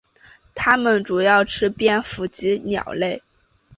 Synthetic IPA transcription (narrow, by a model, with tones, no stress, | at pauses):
t̪ʰa˥mə˨nʈ͡ʂu˨˩jɑ˥˩ʊʈ͡ʂʰɻ̩˥pjɛ˥˩nfu˧˥t͡ɕi˧˥njɑ̰˨˩ʊle˥˩ɪ